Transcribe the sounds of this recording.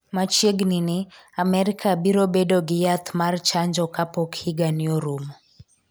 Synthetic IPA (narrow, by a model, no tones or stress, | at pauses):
mat͡ʃjeɡnɪnɪamɛɾɪkʰabiɾobedoɡɪjat̪mart͡ʃaɲd͡ʒɔkapɔkhiɡanjoɾumo